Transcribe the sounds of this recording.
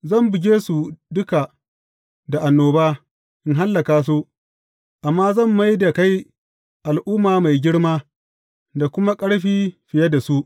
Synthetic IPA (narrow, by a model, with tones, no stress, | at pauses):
zɐ˦˨mbɪ˨ɡʲeː˦su˨dʊ˦ka˨ | da˨ʔa˨nːoː˨baː˦ | ʔɪ˦ŋɦa˦lːɐ˨kaː˨s̬u˦ | ʔa˨mːaː˦zɐ˦˨mːa˦jda˨ka˦j | ʔa˨lʔʊː˦mːaː˨ma˨jɡʲɪ˦ɽmaː˦ | da˨kʷʊ˦ma˦kʼɐ˦ɽɸiː˦ɸɪ˨ja˦da˨su˦ʔ